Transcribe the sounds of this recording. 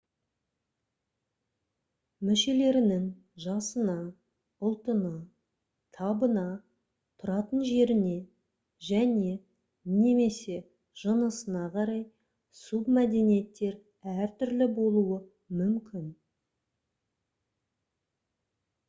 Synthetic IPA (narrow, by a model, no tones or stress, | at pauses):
mʏʃe̞le̞ɾɪnɪŋ | ʒɑsənɑ | ʊlˠt̪ənɑ | t̪ʰɑbənɑ | t̪ʰʊɾɑt̪ənʒe̞ɾɪne̞ | ʒæne̞ | ne̞me̞se̞ | ʒ̥ənəsənɑqʰɑɾɑj | submæd̪e̞nije̞t̪ːe̞ɾ | æɾt̪ʰʏɾlɪbo̞lˠuwə | mʏmkʲʰɪn